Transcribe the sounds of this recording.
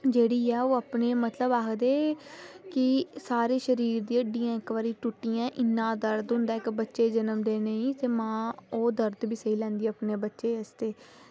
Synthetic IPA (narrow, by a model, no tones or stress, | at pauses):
d͡ʒeːɽiːɛːoːəpneːmət̪ləbaːkʰd̪eːkɪsaːɾeːʃəɾiːɾd̪iːəɖiːjãːɪkʋaːɾiːʈuʈːijãːʔɪnːãːd̪əɾd̪ɦʊ̃nd̪aːɪkbətːʃeːd͡ʒənəmd̪eːneĩːt̪eːmãːoːd̪əɾd̪biːsəɦiːlɛ̃ːnd̪iːəpneːbətːʃeːəst̪eː